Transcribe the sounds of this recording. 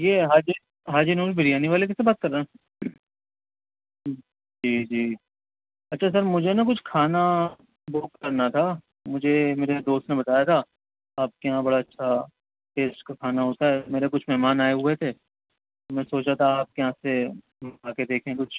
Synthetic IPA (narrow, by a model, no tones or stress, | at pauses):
jeːɦaːd͡ʒi | ɦaːd͡ʒinuːɾbʱɪɽijaːniʋaːlek̬ɛsebaːt̪̚kɐɾnaɦɛ̃ | d͡ʒiːd͡ʒiː | ɐtːʃʰas̬ɐɾmʊd͡ʒʱenak̬ʊt͡ʃʰkʰaːna | boːkkɐɾnat̪ʰa | mʊd͡ʒʱemeːɾed̪oːst̪nebɐt̪aːjat̪ʰa | aːp̚kɐɦãbɐɽaɐtːʃʰa | ʈeːsʈkakʰaːnaɦoːt̪aɦɛːmeːɾekʊt͡ʃʰmɛɦmaːnaːeɦʊet̪ʰeː | t̪omɛ̃ːsoːt͡ʃat̪ʰaaːp̚kɐɦãse | maːked̪eːkʰẽkʊt͡ʃʰ